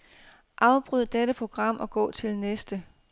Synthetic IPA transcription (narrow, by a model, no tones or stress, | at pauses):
ʔɑ̈ʊb̥ʁyð̰ˠd̥eɾəpʰʁo̝ɡ̥ʁɑ̈m̰ɒ̽ɡ̥ɔ̰̽ːt͡sʰe̝lnesd̥ə